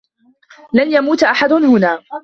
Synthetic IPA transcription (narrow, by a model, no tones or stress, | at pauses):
lanjamuːt̪ʔaħad̪ʊhʊnaː